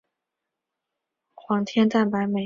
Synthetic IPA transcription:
xwɑ˧˥ŋt̪ʰjɛ˥nt̪a˥˩npa˧˥ɪme˨˩

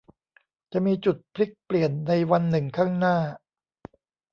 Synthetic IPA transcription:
t͡ɕa˨˩ʔmiː˧t͡ɕu˨˩t̪̚pʰli˦˥k̚pli˨˩ənːa˧jwa˧nːɯ˨˩ŋkʰaː˥˩ŋnaː˥˩

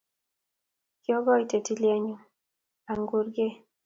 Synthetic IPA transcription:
kjɔ˦ɡɔ˦i˨te˨ti˦ljɛ˦ɲu˦ | a˨ŋɡu˦ɾɡe˦

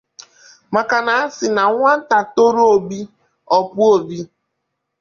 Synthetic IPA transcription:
ma˨ka˨na˨a˦sɪ˨na˨ŋʷa˦n̩˦ta˨to˦ɾo˦o˨bi˦ | ɔ˨pu˦o˨bi˦

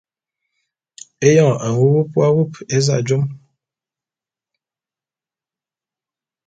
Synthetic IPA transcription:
e˦jɔ̃˦˨a˨wu˦bu˦pwa˦wu˦˨pe˦za̰˦˨d͡ʒo˦m

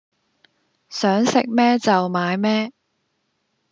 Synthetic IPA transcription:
sœː˨˥ŋsɪ˨k̚mɛː˥t͡sɐ˨wmaː˨˧jmɛː˥

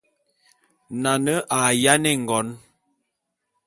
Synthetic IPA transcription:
na˨nə˦ʔa˨ja˦nɛ˦˨ŋ˨ɡɔ˨˦n

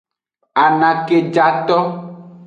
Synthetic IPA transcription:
a˨nã˨ke˨d͡ʒa˨t̪ɔ˦

